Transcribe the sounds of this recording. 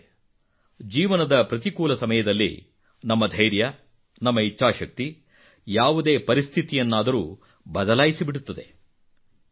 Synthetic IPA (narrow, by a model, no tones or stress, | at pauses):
d͡ʒiːʋɐnɐd̪ɐpɾɐt̪ikuːlɐsɐmɐjɐd̪ɐlːḭ | nɐmːɐd̪ʱɐjɾjɐ | nɐmːɐitːʃaːʃɐk̚t̪i | jaːʋud̪e̞ːpɐɾist̪ʰit̪ijɐnːaːd̪ɐɾuː | bɐd̪ɐlaːjisibiɽut̪ːɐd̪e̞̰